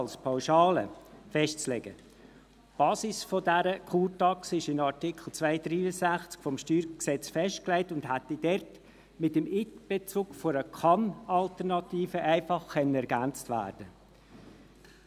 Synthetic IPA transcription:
lspʰaʊʃɑːlə̰fɛʃtt͡slɛɡə | b̥ɑːsisfodæɾəkʰuːtɑksɪʃɪnɑɾtɪkʰl̩ˠt͡svæɪd̥ɾiːəzæχt͡skfɔmʃtyːɾksɛt͡sfɛʃtklæɪtʊndɦætːid̥ɛɾt | mɪtəmɪtb̥et͡suːkfɔɾəkʰɑnɑltəɾnɑtiːfəʔæɪfɑχkɛnənɛɾɡænt͡stvæ̰ːɾd̥ə

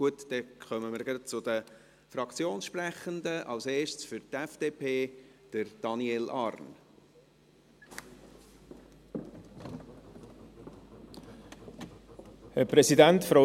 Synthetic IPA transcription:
uətd̥̪ɛkχœməməɾɡɾɑt̚t͡sʊd̥̪ə | fɾɑkt͡sjoːnsʃpɾæχənd̪əʔɑlseːʃsfʏɾt̪ɛfd̥eːpʰeːd̥əɾd̥ɑniɛlʔɑɾn | hɛpɾɛsidæntfɾɔ

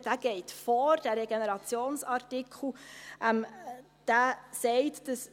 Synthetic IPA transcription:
d̥æːɡ̥ɛɪtfɔɾd̥æɾeɡenɛɾɑt͡sjoːnsɑɾtɪkχl̩ˠʔɛm | d̥æːsɛɪtd̥əs

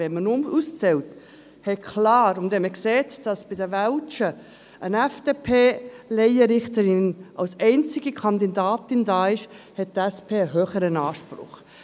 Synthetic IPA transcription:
ɛnmənʊmust͡sɛlt | hɛkʰlɑːɾʊndɛnməkseːtd̥ɑsb̥ɪdəvɛlt͡ʃə | ʔənɛfd̥eːpʰeːlɛɪəɾɪχtəɾɪnʔɑ̰lsɛɪnt͡sɪɡikʰɑndidaːtɪndaːɪʃhɛt̚tɛspʰeːəɦøːχəɾənɑːʃpɾʊ̰χ

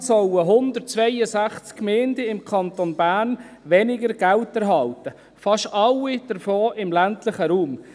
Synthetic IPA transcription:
sɔwəɦʊnd̪ərt̚t͡svʋɛjəsæχt͡skːmeːndɛɪmkʰɑnt̪onbæːrn | ʋɛnɪɡəɾɡæltæɾɦɑltə | fɑʃtɑlːid̥əɾfoːʔɪmlæntləχəɾuːm

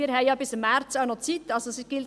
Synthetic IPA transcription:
ɾhɛɪjɑːbɪsmːæɾtt͡saʊnot͡sit̪ːɑlsosiɡ̥ɪl

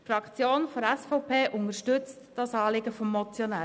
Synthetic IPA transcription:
fɾɑkt͡sjoːnfɔɾɛsfɔʊpʰeːʔʊŋəʃtʏt͡std̥ɑsɑːlɪɡəfɔmːɔt͡sjɔnæː

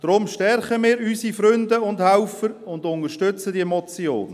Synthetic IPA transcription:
d̥ɾʊmʃtɛɾχəmiːɾysifɾʏndəʊndhaʊfəɾʊndʊnəʃtʏt͡sədiemɔt͡sjo̰ːn

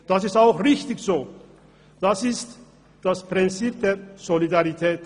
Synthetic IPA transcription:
d̥asɪstaʊxʁɪçtɪçz̥oː | d̥asɪst | d̥aspʁ̥ɪnt͡siːp̚d̥eːɐz̥olidaʁitʰɛːt

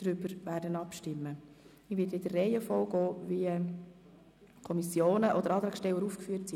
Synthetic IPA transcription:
d̥ɾʏbəɾʋæɾdənɑpʃtɪmːə | ɪʋɪdɪdərːɛjəfɔlɡ̥ɔːʋi | kʰɔmisjoːnəʔɔdəɾɑːt̪ɾɑkʃtɛwəɾuːfkfyːətsi

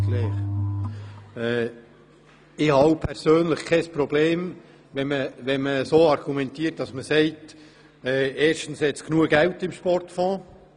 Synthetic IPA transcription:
lɛːχ | ɛː | ɪhɑwpʰɛɾsøːnləχkʰːɛspɾɔbleːm | ʋɛməʋɛnməsoːɑrɡ̥umɛntiːət̚d̥ɑsməsɛɪt | ɛːeːɾʃtn̩shɛt̪sknuəɡ̥æwtɪmʃpɔrtfɔ̃ː

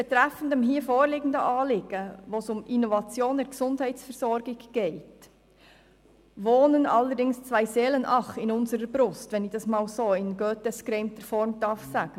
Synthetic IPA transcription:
b̥ɛt̪ɾɛfən̩dəmɦiːfoːɾlɪːɡən̩dəʔɑːlɪɡ̥əʋoːsʊminɔvɑt͡sjoːndɛːɾksʊndhæɪtsfɛɾzɔɾɡɪɡɡ̥ɛɪt | ʋoːnənɑlːəɾdɪŋst͡svæɪseːlənʔɑχɪnʊnsəɾəbɾʊstvɛnɪçd̥ɑsmɑːlsoːɪnɡøːtɛskɾɛɪmtəɾfɔɾmd̥ɑɾfsæːɡ̥ə

